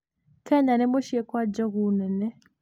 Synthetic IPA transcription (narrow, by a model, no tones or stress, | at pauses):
kʰɛɲanɛmɔʃiɛkwad͡ʒɔɣunɛnɛ